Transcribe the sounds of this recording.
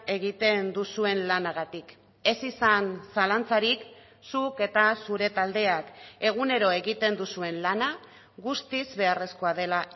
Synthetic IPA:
e̞ɣ̞it̪e̞nd̪usue̞nlanaɣat̪ik | e̞sisansalant͡saɾik | suke̞t̪asuɾe̞t̪ald̪e̞ake̞ɣ̞une̞ɾo̞e̞ɣit̪e̞nd̪usue̞nlana | ɣust̪izβe̞are̞sko̞að̞e̞la

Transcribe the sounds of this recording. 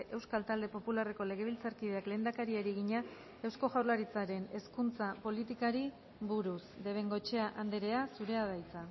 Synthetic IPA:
ʔe̞wskalt̪ald̪e̞po̞pulare̞ko̞le̞ɣ̞e̞β̞ilt͡saɾkiðe̞akle̞ːnd̪akaɾiaɾiɣiɲa | e̞wsko̞ʝawɾlaɾit͡saɾe̞ne̞skunt͡sapo̞lit̪ikaɾi | βuɾusd̪e̞β̞e̞ŋɡo̞t͡ʃe̞aʔand̪eɾe̞asuɾe̞að̞ajt͡sa

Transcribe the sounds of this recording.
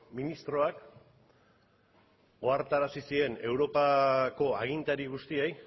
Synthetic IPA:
minist̪ɾo̞ak | ɡo̞aɾt̪aɾasisie̞ne̞wɾo̞pako̞aɣ̞int̪aɾiɣ̞ust̪iej

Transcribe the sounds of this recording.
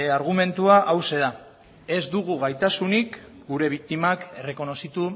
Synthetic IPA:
aɾɣ̞ume̞nt̪uaʔawse̞ða | e̞zd̪uɣ̞uɣajt̪asunik | ɡuɾe̞β̞ik̚t̪imake̞re̞ko̞no̞sit̪u

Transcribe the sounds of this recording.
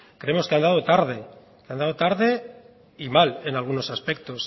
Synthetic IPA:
kɾe̞emo̞skeand̪aðot̪aɾðe̞ | keand̪aðot̪aɾðe̞ | imale̞nalɣ̞uno̞saspe̞k̚t̪o̞s

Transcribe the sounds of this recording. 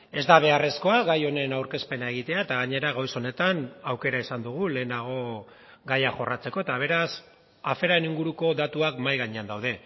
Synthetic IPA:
e̞zd̪aβ̞e̞are̞sko̞aɣajo̞ne̞nawɾke̞spe̞nae̞ɣ̞it̪e̞aet̪aɣaɲe̞ɾaɣojso̞ne̞t̪anawke̞ɾaisand̪uɣ̞ule̞ːnaɣ̞o̞ | ɡajaxo̞rat͡se̞ko̞et̪aβ̞e̞ɾas | afe̞ɾaeniŋɡuɾuko̞ðat̪uakmajɣaɲe̞and̪awð̞e

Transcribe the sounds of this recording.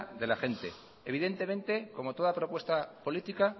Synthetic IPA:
ðe̞laxe̞nt̪e̞̰ | eβiðe̞nt̪e̞mẽ̞nt̪e̞ko̞mo̞t̪o̞ðapɾo̞pwe̞st̪apo̞lit̪ika

